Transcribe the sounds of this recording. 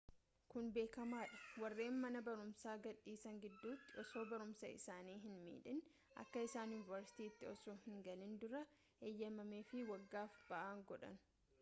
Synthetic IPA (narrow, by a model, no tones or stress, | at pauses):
kʊnbe̞ːkɐmaːᶑɐ̥wɐrːe̞ːnmɐnɐbɐɾʊmsaːɡɐᶑiːsɐŋɡɪd̪ːuːt̪ːɪʔɔso̞ːbɐɾʊmsɐ̰ɪ̰saːniːɦɪnmḭːᶑɪn | ʔɐ̰kːɐɪsaːnjʊːnɪvɐɾsɪ̥t̪iːɪt̪ːɪɔsoːhɪŋɡɐlɪnd̪ʊɾɐ | ʔeːjːɐmɐmeːfɪwɐɡːaːfb̥ɐʔaːŋɡɔᶑɐ̰nʊ̥